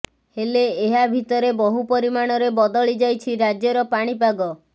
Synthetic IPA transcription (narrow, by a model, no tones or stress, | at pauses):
heleːɦabʱit̪ɔɾebɔɦupɔɾimaɽ̃ɔɾebɔd̪ɔɭid͡ʒajt͡ʃʰiɾad͡ʒjɔɾɔpaɽ̃ip̬aɡɔ